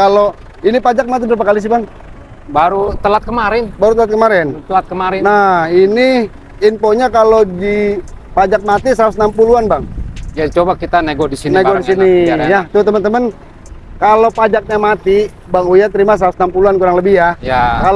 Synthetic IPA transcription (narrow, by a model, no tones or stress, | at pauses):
kalo | inipad͡ʒak̚mat̪̬ibəɾap̬akalis̬ibaŋ | baɾut̪əlat̪̚kəmaɾɪnbaɾut̪əlat̪̚kəmaɾɛnt̪əlat̪̚kəmaɾɛnahini | impoɲakalodipad͡ʒak̚mat̪isəɾat̪usnampuluanbaŋjat͡ʃobakit̪aneɡodisineɡodisinijat̪əət̪əmənt̪əmən | kalopad͡ʒak̚ɲamat̪i | baŋujat̪əɾimas̬ɾausnampuluankuɾaŋləbɪhjajakal